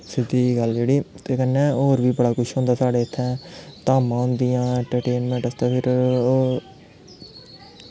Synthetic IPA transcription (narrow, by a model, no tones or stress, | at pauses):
sɪd̪ːiːɡəld͡ʒeːɽiːt̪eːkənːẽːoːɾʋiːbəɽaːkʊʃɦõːnd̪aːsaːɽeːɪt̪ʰːɛ̃ːt̪aːmãːɦʊ̃nd̪ijãːɳʈəɾʈeːnmɛ̃ːɳʈəst̪aːpʰɪɾː